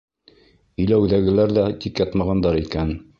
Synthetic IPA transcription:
ɵ̆jlæwðæɡɘ̆læɾðæt̪ʲikjɑt̪mɑʁɑnd̪ɑɾikæn

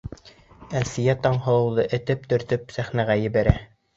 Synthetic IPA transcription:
ælsɘ̆jæt̪ɑɴɦɤ̆lˠɤ̆wðɤʔɘ̆t̪ɘp̚t̪ɵ̆ɾt̪ɵpsæχnæʁæjɘ̆βæɾæ

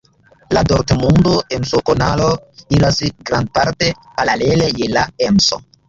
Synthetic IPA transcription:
ladoɾkmundoʔensokonalo̞ilasɡɾand̚paɾte̞ | paɾale̞le̞je̞laemso̰

